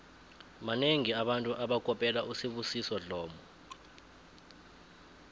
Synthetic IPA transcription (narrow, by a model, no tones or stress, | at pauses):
maneŋiaɓantʼuʔaɓakʼɔpʼɛlaʔusiɓusisɔɮɔːmɔ